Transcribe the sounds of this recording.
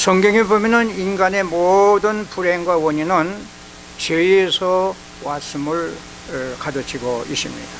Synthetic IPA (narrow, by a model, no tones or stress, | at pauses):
sʰʌŋɡjʌŋibomjʌnɯninɡane̞modɯnpuɾeŋɡwawʌɲinɯn | t͡ɕeiesʰʌ | was͈ɯmɯɭ | kadɯt͡ɕʰiɡoiɕ͈imɲḭd̥a